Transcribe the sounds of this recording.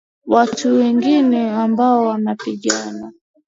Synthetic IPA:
watʰuwɛŋɡinɛambaɔwanapiɠana

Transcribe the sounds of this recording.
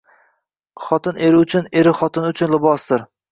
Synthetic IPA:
χɒt̪ɪneɾɪʊt͡ʃʰʊneɾɪχɒt̪ʰɪnʊt͡ʃʰʊnlɪbɒsd̪ɪɾ

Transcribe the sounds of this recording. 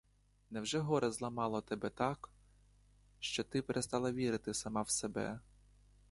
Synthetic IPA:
nɛwʒɛɦɔɾɛzlˠɐmɑlˠɔt̪ɛbɛt̪ɑk | ʃt͡ʃɔt̪ɪpeɾʔest̪ɑlˠɐʋʲiɾɪt̪ɪsɐmɑwsebɛ̰

